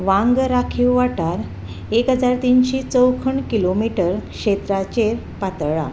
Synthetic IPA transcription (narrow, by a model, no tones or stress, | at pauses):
ʋãŋɡɾakʰiwʋaʈaɾ | ekɦəd͡zaɾt̪inɕit͡səwkʰəɳkilomiʈəɾkɕet̪ɾat͡ɕeɾ | pat̪ɭa̰